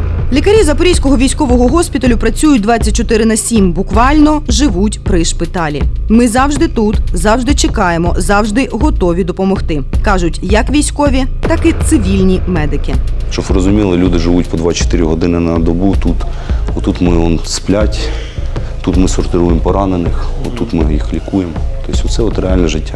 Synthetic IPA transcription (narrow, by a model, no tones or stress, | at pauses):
lʲikɐɾʲizɐpɔɾʲijsʲkɔɦɔʋʲijsʲkɔʋɔɦɔɦɔsʲpʲit̪ɐlʲʊpɾɐt͡sʲujʊt̚ʲd̪ʋɑt͡sʲːɐt̚ʲt͡ʃɔt̪ɪɾɪnɐsʲimbʊkʋɑlʲnɔʒɪʋutʲpɾɪʃpɪt̪ɑlʲḭmɪzɑwʒd̪ɪt̪ut̪zɑwʒd̪ɪt͡ʃɪkɑjemɔzɑwʒd̪ɪɦɔt̪ɔʋʲid̪ɔpɔmɔxt̪ɪkɑʒʊtʲjɐkʋʲijsʲkɔʋʲit̪ɑkɪt̪sɪʋʲilʲnʲimɛd̪ɪkɪʃt͡ʃɔbɾɔzʊmʲilˠɪlʲud̪ɪʒɪʋutʲpɔd̪ʋɑt͡ʃɔ̥t̪ɪɾʲɪɦɔd̪ɪnɪnɐd̪ɔbut̪ut̪ɔt̪ut̪mɪɔnsplʲatʲ | t̪ut̪mɪsɔrt̪ɪɾujempɔɾɑnenɪxɔ̰t̪ut̪mɪjixlʲikujemt̪ɔsʲʊsɛɔt̪ɾeɑlʲnɛʒɪtʲːa